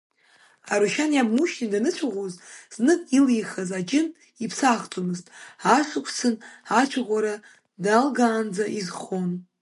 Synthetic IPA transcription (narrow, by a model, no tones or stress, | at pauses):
aɾuʃanjammuʃnidanɨt͡ɕʷʰaʁʷozz̥nɨkʼilijχazad͡ʒɪn | ipʰsaχt͡sʷʼomɨztʼaʂʷɨkʷʰsɨnat͡ʃʷʰaʁʷaɾa | dalɡaːnd͡zaʔizχon